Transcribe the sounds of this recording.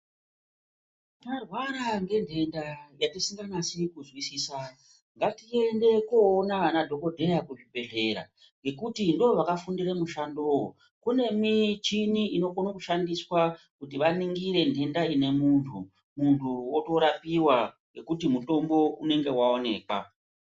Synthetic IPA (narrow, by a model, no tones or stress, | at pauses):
arwaɾaŋɡe̞ndʰʱe̞ndajatisiŋɡanasikuzwisiːsa | ŋɡatie̞nde̞koːnaanadʱo̞ko̞dʱe̞jakuʐibʱe̞ɮe̞ɾa̰ | ŋɡe̞kutindooʋakafundiremuʃandowo̰ | kune̞mit͡ʃiniino̞ɡonokuʃandiswa | kut̬iʋaniŋɡiɾe̞ndʱe̞ndaine̞muntʰu | muntʰuwoto̞ɾapiwaŋɡe̞kutimuto̞mbo̞une̞ŋɡe̞waone̞̰ːkwa̰